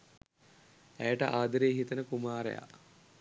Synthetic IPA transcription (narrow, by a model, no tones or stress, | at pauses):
æjəʈəʔaːd̪əɾeːɦit̪ənəkumaːɾḛja̰